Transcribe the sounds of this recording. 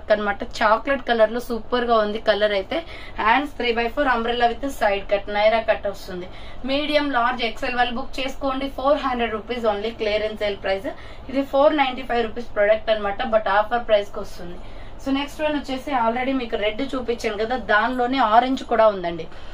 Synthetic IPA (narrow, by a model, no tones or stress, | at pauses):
kːɐnimaːʈɐt͡ʃaːkleʈ̚kɐlɐɾlo̞ːsuːpɐɾɡaːund̪ikɐlːɐɾɐjt̪e̞ː | aːɳɖst̪ʰɾiːbɐjpʰoːɾɐmbɾelɐʋit̪ɐsɐjɖkɐʈnɐjɾaːkɐʈːɐst̪und̪i | miːɽijɐmlaːɾd͡ʒɛkselʋɐlːbukːt͡ʃe̞ːsu̥ko̞ːɳɖipʰoːɾɦɐɳɖɾeɖɾupiːzo̞ːnliːkleːɾensseːlpɾɐjz | id̪ipʰoːɾnɐjɳʈiːpʰɐjʋɾupiːspɾoɽɐk̚ʈɐnimaːʈɐbɐʈaːɾpʰɐɾpɾɐjskːɐst̪und̪i | soːneksʈʋɐnut͡ʃːeːseaːlɾeɽimiːkuɾe̞ɖːt͡ʃuːpit͡ʃːɐːnɡɐd̪aːd̪aːnlo̞ːneːaːɾeɲd͡ʒkuːɽaːund̪ɐɳɖi